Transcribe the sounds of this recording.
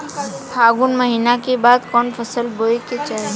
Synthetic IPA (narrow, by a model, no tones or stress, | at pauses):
bʰʱaːɡʊnməɦiːnakebaːd̪kɔːnfʰəsəlboːeket͡ʃaːe